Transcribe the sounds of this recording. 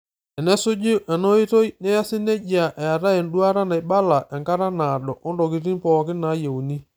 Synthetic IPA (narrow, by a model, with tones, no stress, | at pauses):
ɛ˨nɛ˦sʊ˦d͡ʒi˦ʔɛ˨nɔ˦i˦to˦jnɛ˦ja˦sɪ˦nɛ˦d͡ʒa˨ʔɛ˨a˨ɾa˦ɛ˨nɗu˦a˦ɾa˦na˨jba˦la˨ʔɛ˨ŋka˦ɾa˦na˨ɗɔ˨ʔɔ˦ndɔ˨ki˨ɾi˦n˦pɔː˨kɪ˦na˨˦je˨wu˨ni˦